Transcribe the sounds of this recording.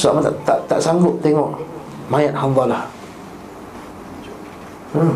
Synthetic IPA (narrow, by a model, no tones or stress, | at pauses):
sua̰ʔmat̪at̪aʔt̪a̰ʔsaŋɡʊp̚t̪ɛŋɔʔ | majat̪̚hamvalah